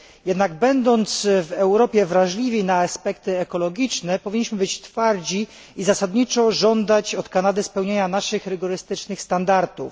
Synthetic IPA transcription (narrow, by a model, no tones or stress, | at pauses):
jɛd̪naɡbɛnd̪ɔnt̪svɛwɾɔpʲjɛvɾaʐlʲivʲinaːspɛkt̪ɘɛkɔlɔɡʲit͡ʂnɛpɔvʲiɲːiɕmɘbɘt͡ɕt̪faɾd͡ʑi | izasad̪ɲit͡ʂɔʐɔnd̪at͡ɕɔt̪kanad̪ɘspɛwɲeɲanaʂɘxɾɘɡɔɾɘst̪ɘt͡ʂnɘxst̪and̪aɾt̪uf